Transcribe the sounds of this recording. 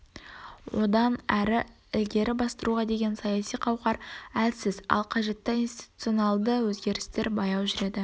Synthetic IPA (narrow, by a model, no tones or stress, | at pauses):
wo̞d̪ɑnæɾɪ | ɪlɡʲe̞ɾɪbɑst̪əɾuʁɑd̪e̞ɡʲe̞nsɑjɑsijqʰɑwqɑɾælsɪzɑ̰lˠqʰɑʒe̞t̪ːɪijnst̪i̥t̪u̥t̪sɨo̞nɑlˠd̪əwɵzɡʲe̞ɾɪst̪e̞ɾbɑjɑwʒʏɾe̞d̪ɪ